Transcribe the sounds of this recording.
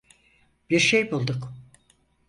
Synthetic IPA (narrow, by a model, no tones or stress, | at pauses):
b̥iɾʃejbulˠd̪uk